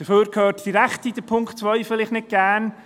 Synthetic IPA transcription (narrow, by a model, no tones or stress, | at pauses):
d̥əføːɾkʰhøːɾtd̥iɾɛktid̥əpʰʊŋkχtt͡svœɪfəlɪχnɪt̚ɡ̥æn